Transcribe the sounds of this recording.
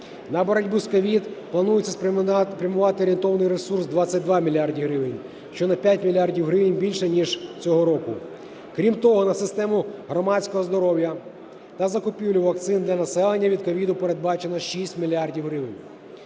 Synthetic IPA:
nɐbɔɾɐdʲbuskɔʋʲid̪plˠɐnujɪt͡sʲːɐspɾʲɐmʊʋɑt̪ɪɔɾʲent̪ɔʋɐnɪjɾesursd̪ʋɑt͡sʲːɐt̚ʲd̪ʋɑmʲilʲiardʲiɦɾɪʋɪnʲ | ʃt͡ʃɔnɐpʲjatʲmʲilʲardʲiwɦɾɪʋɪnʲbʲilʲʃɛnʲiʒt͡sʲɔɦɔɾɔkʊ | kɾʲimt̪ɔɦɔnɐsɪst̪ɛmʊɦɾɔmɑt͡sʲkɔɦɔzd̪ɔɾɔwjɐ | t̪ɐzɐkʊpʲiwlʲʊʋɐk̚t̪sɪnd̪lʲɐnɐsɛlˠe̞nʲːɐʋʲid̪̚kɔʋʲid̪ʊpeɾe̞d̪̚bɑt͡ʃenɔʃisʲtʲmʲilʲiardʲiwɦɾɪʋɪnʲ

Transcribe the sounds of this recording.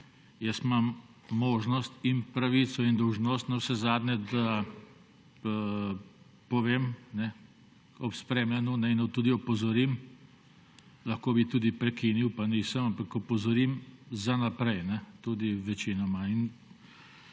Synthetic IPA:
jəst̪mamː | oːʒnɔst̪inpɾaʋit̪sɔind̪ɔwʒnost̪nawsɛzaːd̪nɛd̪a | pɔʋeːmnɛ | ɔpspɾemlanɔnɛinɔt̪uːd̪iɔpɔzɔɾim | lɐxkoːbit̪uːd̪ipɾɛkiniwpaniːsəmampakɔpɔzɔɾimzanapɾɛjnɛt̪uːd̪iʋɛt͡ʃinɔmain

